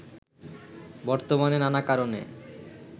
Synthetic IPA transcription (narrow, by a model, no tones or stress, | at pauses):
bɔɾt̪omanenanakaɾonḛ